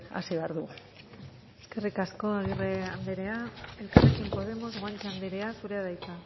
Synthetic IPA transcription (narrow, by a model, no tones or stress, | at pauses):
a̰siβeaɾðu | eske̞rikasko̞aɣireand̪eɾeae̞lkarekimpo̞ð̞e̞mo̞zɣajnt͡ʃeand̪eɾeasuɾe̞aðajt͡s̪a